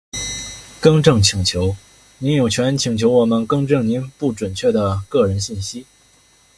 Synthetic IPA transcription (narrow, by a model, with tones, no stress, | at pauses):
kɤ˥ŋʈ͡ʂɤ˥˩ŋt͡ɕʰi˨˩ŋt͡ɕʰjo˧˥ʊ | ni˧˥njo˨˩ʊt͡ɕʰɥɛ˧˥nt͡ɕʰi˨˩ŋt͡ɕʰjo˧˥ʊwɔ˨˩mə˦nkɤ˥ŋʈ͡ʂɤ˥˩ŋni˧˥npu˥˩ʈ͡ʂwə˨˩nt͡ɕʰɥɛ˥˩d̪ə˩kɤ˥˩ɻə˧˥nɕi˥˩nɕi˥